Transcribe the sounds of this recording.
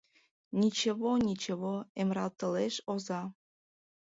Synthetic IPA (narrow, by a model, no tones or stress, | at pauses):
nʲit͡ɕĕβonʲit͡ɕĕβoemɾɑlt̪ɤ̆leʃozɑ